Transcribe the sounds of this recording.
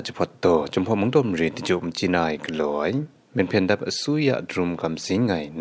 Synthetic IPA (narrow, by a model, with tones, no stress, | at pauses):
ʔt͡ʃi˧pʰɔ˧t̪̚d̪ɔ˧t͡ɕɔ˧mpʰɔ˧ʔmu˧˦ŋdɔ˧˨mri˧˨˩d̪i˨t͡ɕu˨ʔmt͡ɕi˧naː˧˩jkəlɔ˨j | mɛ˧npʰɛ˧nda˦p̚əsu˦ja̰˧ʔdru˧mka˧mzi˨˦ŋa˧˨jn